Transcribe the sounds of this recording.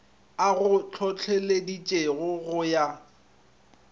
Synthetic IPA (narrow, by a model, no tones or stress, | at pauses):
aɣʊt͡ɬʰɔt͡ɬʰɛledit͡ʃʼeɣʊɣʊja